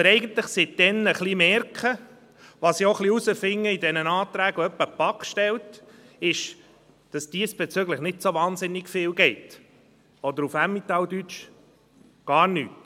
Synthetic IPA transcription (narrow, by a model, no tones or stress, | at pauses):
əɾɛɪɡən̩t̪ləχsɪt̚d̥ɛnəχlimɛɾkχə | ʋɑsioχliusəfɪŋːəidɛnənɑːt̪ɾæːɡœpːəpɑkʃtɛlt | ɪʃ | d̥ɑsd̥iːsb̥ɛt͡sʏɡləχnɪtsoʋɑːnsɪnːɪɡfɪːlɡɛɪt | ɔd̪əɾufæmːit̪ɑldyt͡ʃ | ɡ̥ɑːɾny̰ːt